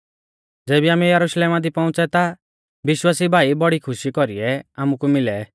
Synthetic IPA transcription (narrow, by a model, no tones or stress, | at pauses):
d͡zeːbiaːmɛjɐɾuʃleːmad̪ipɔʊ̃t͡sɛt̪a | bɪʃwaːsibʱaːibɔɽikʰʊʃikɔɾiɛaːmukumɪlɛ